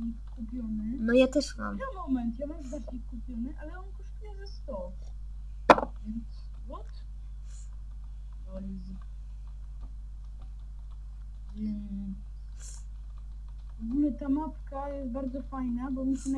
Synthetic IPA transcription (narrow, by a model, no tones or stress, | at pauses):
ɲikkːupʲjɔnɘnɔjat̪ɛʂma̰mɛmɔmɛnt̪javazbɛɾd͡ʑekːupʲjɔnɨʔalɛɔnkɔʂt̪ujɛzɛst̪ɔ | vʲjɛnt̪s | vɔt̪ | ɔlizi | vumɛt̪amat̪kajɛst̪̚baɾd̪zɔfajnabɔmʲiɕɛna